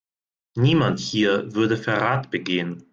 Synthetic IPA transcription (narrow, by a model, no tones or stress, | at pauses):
niːmanthiːɐvʏɐdəfɛɐʁaːtb̥əɡeːən